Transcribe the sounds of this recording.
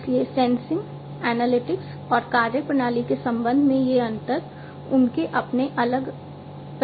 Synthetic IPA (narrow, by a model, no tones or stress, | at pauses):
sliesɛ̃ːnsɪ̃ŋɡ | ɛːnəlɪʈɪks | ɔːɾkaːɾjəpɾənaːlikesɐ̃mbə̃nd̪ʱmẽjeɐ̃nt̪əɾ | ʊnkeʔɐpneʔɐləɡ | p